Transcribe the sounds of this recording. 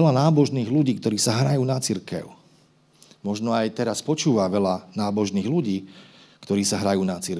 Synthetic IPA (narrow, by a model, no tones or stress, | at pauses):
ɛlanaːbɔʒniːɣluɟiːk̚t̪ɔɾiːsaɦɾajuːnat͡siɾkɛ̰ʊ | mɔʒnɔajt̪ɛɾaspɔt͡ʃuːʋaʋɛlanaːbɔʒniːɣluɟiːkt̪ɔɾiːsaɦɾajuːnat͡siɾ